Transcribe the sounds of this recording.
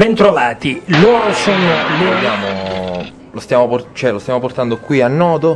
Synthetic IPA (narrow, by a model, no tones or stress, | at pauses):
bɛnt̪ɾovaːt̪iloːɾosonoloːɾojaːmo | lost̪jaːmoport͡ʃoɛlost̪jaːmoport̪and̪okwianːɔːt̪o